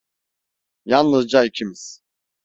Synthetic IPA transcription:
jannɯzd͡ʒaicʰimiz̥

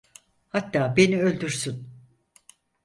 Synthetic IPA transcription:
hat̪ːaːbe̞niølʲd̪yɾsyn

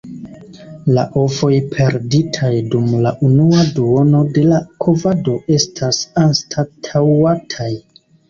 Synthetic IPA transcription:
la̰ʔo̞fo̞jpʰe̞ɾditʰajdumlaʔunuaduo̞no̞de̞lakʰovado̞ʔe̞stʰasanstʰatʰawatʰaj

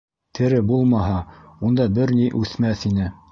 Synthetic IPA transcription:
t̪ʰɘ̆ɾɘbulˠmɑɦɑund̪ɑbɘɾniʔʉθmæθinɘ

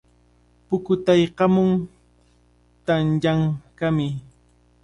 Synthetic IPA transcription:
pʊkʊt̪ajqɑmʊŋ | t̪aŋʎaŋkamɪ

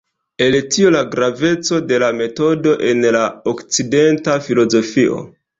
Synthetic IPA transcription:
e̞ltio̞laɡɾave̞t͡so̞de̞lame̞to̞do̞ʔe̞nlaokt͡side̞ntafilo̞zo̞fiʔo̞̰

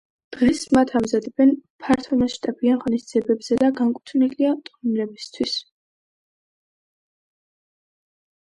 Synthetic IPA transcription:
d̪̥ʁɛsmat̪ʰamzad̪ɛbɛnpʰaɾt̪ʰɔmasʃt̪ʼabianʁɔnisd̪z̥iɛbɛbz̥ɛd̪aɡaŋkʼut̪ʰniliat̪ʼnɾɛbist̪ʰwis

